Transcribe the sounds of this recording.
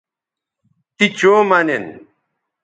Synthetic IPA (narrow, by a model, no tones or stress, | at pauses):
t̪it͡ɕoːmɐnen